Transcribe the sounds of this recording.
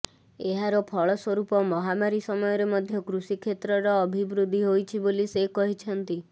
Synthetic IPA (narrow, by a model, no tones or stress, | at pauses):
eɦaɾɔpʰɔɭɔswɔɾupɔmɔɦamaɾisɔmɔjɔɾemɔd̪ʱjɔkɾusikʰet̪ɾɔɾɔːbʱibɾud̪ʱːiɦojt͡ʃʰibolisekɔɦit͡ʃʰɔnt̪i